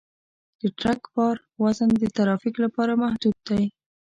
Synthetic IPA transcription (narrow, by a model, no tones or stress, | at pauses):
d̪̥əʈɾakbɑɾ | wazənd̪ət̪aɾɑfiklapɑɾamahd̪ud̪̚ːaj